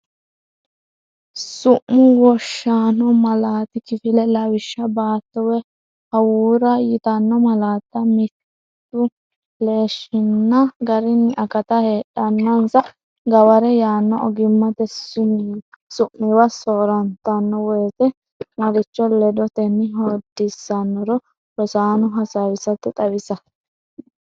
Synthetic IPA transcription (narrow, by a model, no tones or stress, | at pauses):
sʊʔmːʊwɔʃːaːnɔmɐlaːt̪ɪkɪfɪlɛlɐwɪʃːɐbaːt̪ːɔwɛ | hɐwuːɾɐjɪt̪ɐnːɔmɐlaːt̪ːɐmɪt | t̪ːʊ | le̞ːʃɪnːɐɡɐɾɪnːɪʔɐkɐt̪ɐheːᶑɐnːɐnsɐ | ɡɐwɐɾɛjaːnːɔʔɔɡɪmːɐt̪ɛsːʊn | sʊʔːɪwɐsoːɾɐnt̪ːɐnːɔwɔjt̪ɛ | mɐɾɪt͡ʃːɔlɛd̪ɔt̪ɛnːɪɦod̪ːɪsːɐnːɔɾɔ | ɾɔsaːnʊɦɐsawɪsɐt̪ːɛt̪ʼɐwɪsɐ